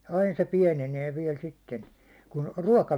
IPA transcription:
ɑin se piɛneneː ʋiɛl sitːen kun ruɒkɑ

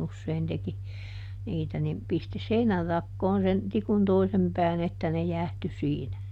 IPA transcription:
usːein teki niːtæ nim pisti seinærːɑkːoːn sen tikun toisem pæːn etːæ ne jæˑhty siːnæ

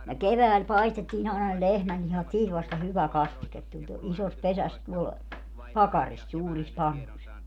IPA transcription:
ne keʋæːl pɑistetːiːn ɑˑenɑ ne lehmælːihɑt siːt ʋɑstɑ hyʋæ kɑstiket tulʲ to isos pesæs tuol pɑkɑris suːris pɑnːus

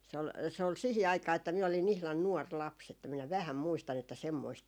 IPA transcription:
s ol se ol sihi ɑikɑː etːæ miæ olin ihlɑn nuɔr lɑps etːæ minæ ʋæhæm muistɑn etːæ semːoist

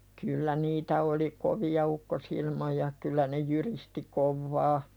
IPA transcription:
kylːæ niːtæ oli koʋiɑ ukːosilmojɑ kylˑæ ne jyristi koʋːɑː

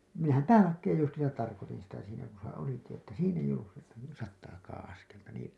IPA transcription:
minæhæm pæːlɑkːeːj justiːsɑt tɑrkotin̞ sitæ siːnæ ku se oliki etːæ siːn eij olːus sitːe sɑtːɑːkɑːɑ̃ ɑskeltɑ niːl

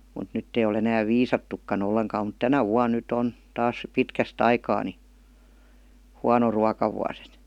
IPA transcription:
mut nytː ei ol enæːʋ ʋiːsɑtːukːɑn olːeŋkɑːm mut tænæ ʋuɑn̆ nytˑ on tɑːs pitkæst ɑikɑː ni huɑno ruɑkɑʋuɑs et

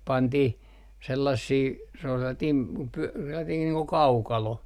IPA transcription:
pɑntih selːɑsːiː se ol selːɑtiːm p pyæ selːɑtiːn niː ko kɑukɑlo

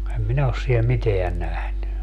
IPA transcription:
em minæ os siel miteæ næhny

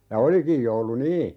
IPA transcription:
jɑ olikij joulu niː

